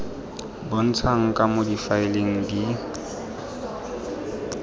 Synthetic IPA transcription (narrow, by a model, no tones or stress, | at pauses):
bon̩t͡sʰaŋ̩kʼamodifaɪleŋ̩di